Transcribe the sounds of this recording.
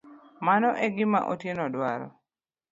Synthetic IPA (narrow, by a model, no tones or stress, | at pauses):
manɔʔɛɡɪma̰ʔotjenɔdwaɾɔ̰